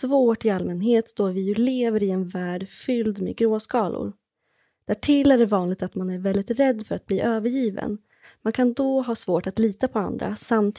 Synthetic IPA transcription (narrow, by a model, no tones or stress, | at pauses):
voːʈɪalmɛnɦeːt̪d̪ɔvɪjɵleːvəɾɪɛnvæːɖfʏld̪mḛːɡɾoːskɑːlʊ̰ɾ | d̪̥æʈʰɪlæɖɛvɑːnlɪɡ̚t̪at̪manæɾvɛld̪ɪt̪ɾɛd̪ːfœɾat̪̚b̥liːʔøːvəɾjiːvə̰n | mankʰand̪ɔɦɑːsvoːʈat̪liːt̪apʰɔa̰nd̪ɾa̰samt̪ʰ